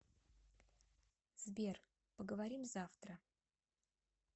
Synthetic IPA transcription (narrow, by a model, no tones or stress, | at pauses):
zbʲer | pəɡəvɐɾʲimzaft̪ɾə